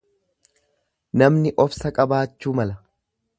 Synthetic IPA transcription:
nɐmnɪʔɔfsɐkʼɐbaːt͡ʃːuːmɐlɐ

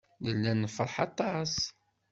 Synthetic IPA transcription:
ðəlːænəfəɾˤħɑt̪ˤːɑs

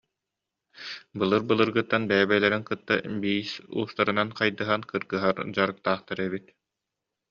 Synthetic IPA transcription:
bɯlˠɯɾbɯlˠɯɾɡɯt̪ːanbɛːbɛlɛɾɛnkɯt̪ːabiːsṵːst̪aɾɯnanqajd̪ɯɦankɯɾɡɯɦaɾd͡ʑaɾɯk̚t̪aːχt̪aɾɛβit̪

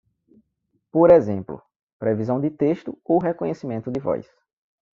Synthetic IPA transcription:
poɾezẽmplʊ̰ | pɾevizɐ̃w̃d̪ɪt̪eʃt̪ʊowɦekõɲesimẽnt̪ʊd̪ɪvɔ̰js

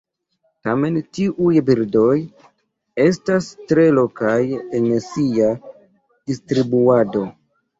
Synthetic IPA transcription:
tame̞ntiʔujbiɾdo̞j | e̞stastɾe̞lo̞kajensia | d̥istɾibuado̞

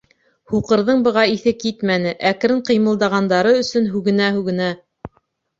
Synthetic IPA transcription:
huqɤ̆ɾðɤɴbɤ̆ʁɑiθɘkit̪mænɘʔækɾɘɴqɤ̆jmɤ̆lˠd̪ɑʁɑnd̪ɑɾɤɵ̆sɵnɦʉɣɘ̆næɦʉɣɘ̆næ

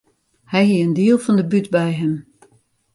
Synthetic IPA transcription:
hɛjɦiəndiəlˠfɔndəbytbɛjɦəm

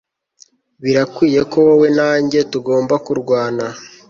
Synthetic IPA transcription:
βiɾakwiːje̞ko̞wowenaːɲɟe̞tuɡo̞ːmbakuɾɡwaːna

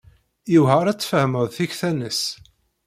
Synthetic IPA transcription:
jiwhəɾˤæt͡sːfəhməðθiçθænəs

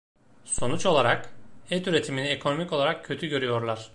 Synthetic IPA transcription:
so̞nut͡ʃo̞lˠaɾakɛt̪yɾe̞t̪ʰiminiekʰo̞no̞mico̞lˠaɾakcʰø̞t̪ʰyɟø̞ɾyjo̞ɾlˠaɾ̝̥

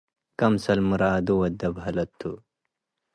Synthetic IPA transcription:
kɐmsɐlmuɾaːd̪uwɐd̪ɐbɦɐlɐt̪ʰːṵ

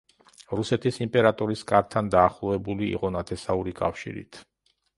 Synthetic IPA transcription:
ɾusɛt̪ʰisimpʼɛɾat̪ʼɔɾiskʼaɾt̪ʰːand̪aːχlˠɔvɛbulḭːqʼɔnat̪ʰɛsauɾikʼa̰fʃḭɾḭt̪ʰ

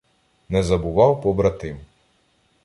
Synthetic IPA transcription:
nɛzɐbʊʋɑwpɔbɾɐt̪ɪm

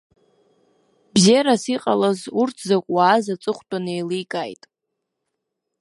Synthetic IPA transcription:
bzeɾasiqʼalazurtʰzakʷʼwaːzat͡sʼɨχʷtʼanejlijkʼajtʼ

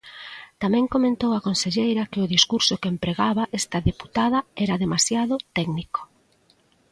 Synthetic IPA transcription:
t̪amɛ̃ŋkomẽnt̪owakonseʎejɾɐkɪʊðiskuɾsʊkeempɾeɣaβɐʔɛst̪ɐðepu̥t̪aðɐɛɾɐðemasjaðʊt̪ɛɡniko̥

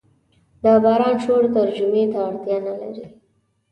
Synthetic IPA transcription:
d̪ɑbɑɾɑnʃoɽt̪aɾd͡ʒʊmet̪aːɽt̪jɑnala̰ɾi

